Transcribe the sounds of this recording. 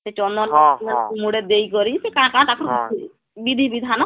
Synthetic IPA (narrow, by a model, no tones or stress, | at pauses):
set͡ʃɔnd̪ɔnɔnmuɽed̪ejkɔɾisekaɽ̃kaɽ̃t̪akɔɾ | bid̪ʱibid̪ʱanɔ